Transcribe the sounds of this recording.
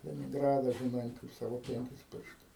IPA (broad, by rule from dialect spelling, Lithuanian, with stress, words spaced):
lʲɛnʲɪŋˈɡrɑːdɐ ʒʲɪˈnɐɪ kɐɪp ˈsɑːʋoː ˈpʲɛŋʲkʲɪs ˈpʲɪrʃtʊs